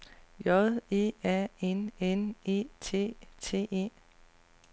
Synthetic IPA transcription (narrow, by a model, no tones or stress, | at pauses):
jɒðˠe̝̰ːæenenḛt͡sʰe̝̰ːt͡sʰe̝̰ːe̝̰ː